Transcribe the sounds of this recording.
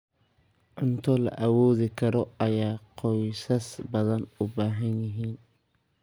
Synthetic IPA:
ʕʊnt̪ʰɔlɐ̰ʔɐwɔːðɪkʰɐɾɔɐjaːqʰɔjsɐsbɐðɐnʊbaːɦɐnjɪɦiːn

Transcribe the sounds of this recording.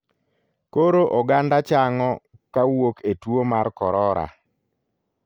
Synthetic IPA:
koɾoʔɔɡandat͡ʃaŋɔ | kawoketwomarkɔɾɔɾa̰

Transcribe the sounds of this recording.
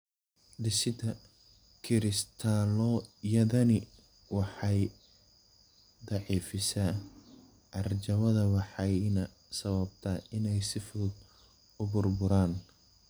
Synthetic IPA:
d̪ɪsɪd̪ʰɐ | kʰɪɾɪst̪ʰaːlɔjɐðɐnɪ | wɑħɑj | d̪ɑʕiːfɪsa | ʔɐrt͡ʃɐmɐðɐwɑħɑjnɐ | sɐβɐb̚t̪ʰɐɪnɛjsɪfʊʊd̪ | ʊbʊrbʊɾaːn

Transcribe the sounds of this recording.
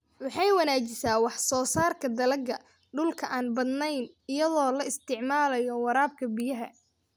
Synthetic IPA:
wɑħɑjwɐnaːt͡ʃɪsaːwɑħsɔːsaːrkʰɐd̪ɐlɐɡɐ | ɖʊlkʰɐʔaːnbɐd̪nɛjn | ɪjɐðɔːlɐɪst̪ʰɪʕmaːlɐjɔwɑɾaːb̚kʰɐbɪjɐɦɐ̰

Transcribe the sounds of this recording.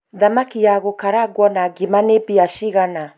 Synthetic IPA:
ðamakiaɣokaɾaɡwɔnaɡimanebiaʃiɣana

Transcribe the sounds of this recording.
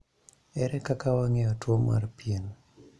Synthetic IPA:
ɛɾɛkakawaŋɛjɔtwoma̰rpien

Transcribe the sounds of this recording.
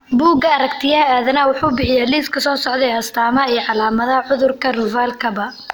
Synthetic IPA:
buːɡɐɐɾɐkt̪ʰɪjaaːðɐnɐwʊħuːbɪħɪjaːliːskʰɐsɔːsɔʕd̪ɛɐst̪ʰaːmɐɛːʕɑlaːmɐðɐʕʊðʊrkʰɐrʊvaːlkʰɐbɐ

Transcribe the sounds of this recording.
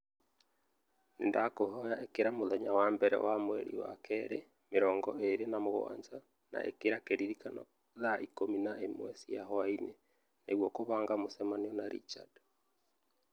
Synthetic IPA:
nendakoɦɔjaekeɾamoðɛɲawaːmbɛɾɛ̰wamwɛ̰ɾḭwa̰kʰɛɾe | meɾɔːŋɡɔʔeɾenamoɣoa̰ːɲd͡ʒa | na̰ʔḛkeɾakeɾiɾikanɔ̰ | ðaʔikominaemwɛsijaɦɔaine | neɣwɔkoβaːŋɡamosɛmaniɔnaɾḭt͡ʃa̰d

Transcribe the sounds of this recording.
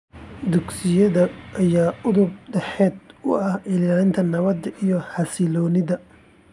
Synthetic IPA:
d̪ʊɡsɪjɐðɐʔɐjaːʊðʊb̚ɖɛħɛːd̪̚ʊ̰ɐhʔɪlːaːlɪnt̪ʰɐnɐβɐd̪ɐʔijɔħɑsɪlɔːnɪðɐ

